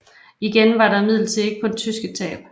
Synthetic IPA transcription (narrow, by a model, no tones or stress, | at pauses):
iɡ̥enʋɑ̈ɾɑ̈mið̰ˠl̩t͡sʰe̝e̝ɡ̥əpʰɒ̽d̥e̝t͡sʰysɡ̥ət͡sʰɛ̰ːb̥